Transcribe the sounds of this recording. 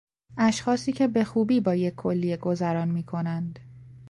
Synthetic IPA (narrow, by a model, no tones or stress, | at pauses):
ʔæʃxɒːsiːcʰe̞be̞xuːbiːbɒːjecʰːo̞lːijeɡo̞zæɾɒːnmiːkʰo̞nænd̪̥